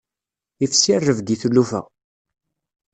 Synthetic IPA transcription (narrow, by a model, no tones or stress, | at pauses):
ifsirːəvɡ̪iθlːufæ̰